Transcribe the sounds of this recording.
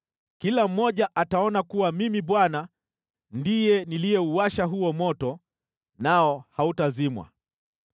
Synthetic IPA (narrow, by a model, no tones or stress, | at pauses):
kilam̩ːɔʄaʔataɔnakuwamimiɓwana | ndijɛnilijɛuwaʃaɦuɔmɔtɔ | naɔhautazimwa̰